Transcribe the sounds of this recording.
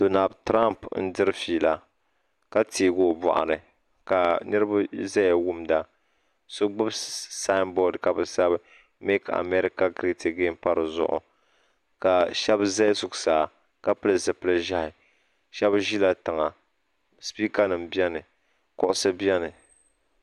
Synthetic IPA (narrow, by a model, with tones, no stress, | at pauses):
do˨na˨lbtɾa˦mpn̩˦dɨ˦ɾɨ˦fiː˨la˦ | ka˦tʰiː˨ɡo˦˨bɔ̰˨ʔa̰˨nɨ˨ | ka˨nɨ˦ɾɨ˦ba˦za˦ja˨wu˦mda˦ | sʊ˦ɡ͡bʊ˦bsa˦bɔ˦dka˨bɨ˨sa˦b | me˦ka̰˨me˦ɾi˦ka˦kɾi˦tʰi˨ɡe˦m˦pa˦ɾɨ˨zʊ̰˨ʔʊ̰˨ | ka˨ʃɛ˦bza˦sʊ˨ksaː˨ | ka˦pɨ˦lɨ˨zɨ˨pɨ˦lɨ˦ʒa˦hɪ˨ | ʃɛ˦bʒi˦la˨tɨ˨ŋa˨ | spiː˦ka˦nɨ˨mbi˦ɛ˦nɨ˨ | kʊ˦ʔʊ˦sɨ˦bɛ˦nɨ˨